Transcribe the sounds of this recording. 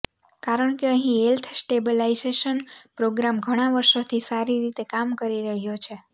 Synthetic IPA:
kaɾəɳ̃keəɦĩelt̪ʰsʈebəlaizeʃənpɾoɡɾamɡʱəɽ̃aʋəɾʃot̪ʰisaɾiɾit̪ekamkəɾiɾəɦjot͡ʃʰe

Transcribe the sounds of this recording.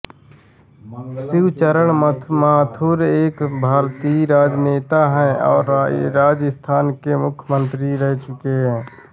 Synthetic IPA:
sɪwt͡ʃəɾəɳmaːt̪ʰuːɾeːkbʱaːɾt̪iːɾaːd͡ʒneːt̪aɦɛ̃ɔːɾɾaːd͡ʒəst̪ʰaːnkemʊkʰjəmə̃nt̪ɾiɾɛɦt͡ʃʊkeɦɛ̃ː

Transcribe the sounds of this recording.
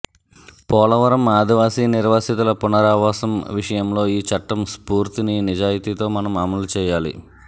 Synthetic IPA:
pɔːlɐʋɐɾɐmaːd̪iʋaːsiːniɾʋaːsit̪ulɐpunɐɾaːʋaːsɐmʋiʂɐjɐmlo̞ːiːt͡ʃɐʈːɐmspuːɾt̪ininid͡ʒaːjit̪iːt̪o̞ːmɐnɐmɐmɐlut͡ʃɛːjaːlḭ

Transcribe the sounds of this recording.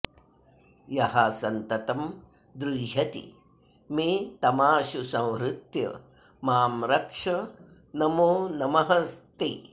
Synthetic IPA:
jɐɦasɐnt̪ɐt̪ɐm | d̪ɾuɦɐt̪ḭ | meːt̪ɐmaːʃusɐ̃w̃ɾut̪jɐ̰ | maːmɾɐkʂɐ | nɐmoːnɐmɐɦɐst̪i

